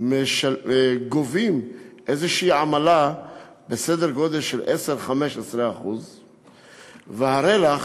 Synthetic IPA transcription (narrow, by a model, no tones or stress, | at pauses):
meʃaɡovimʔezeʃiiːʕamala | besed̪eʁɡod̪elʃelʔeseʁχameʃesʁeaχuz | vehaɾelaχ